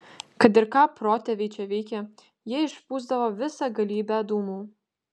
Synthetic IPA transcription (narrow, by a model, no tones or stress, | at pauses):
kɐt̪ɪɾkɑːpɾoːt̪ʲɛʋʲit͡ʃʲɛʋʲɛɪkʲɛ | jiɛɪʃpuːzd̪ɐʋoːʋʲɪsɑɡɐlʲiːbʲɛd̪uːmuː